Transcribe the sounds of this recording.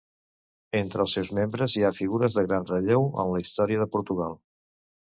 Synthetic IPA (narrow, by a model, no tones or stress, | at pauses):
ent̪ɾəːlˠsewzmembɾəziafiɣuɾəzðəɣɾanrəʎewə̰nləist̪ɔɾiəðəpuɾt̪uɣalˠ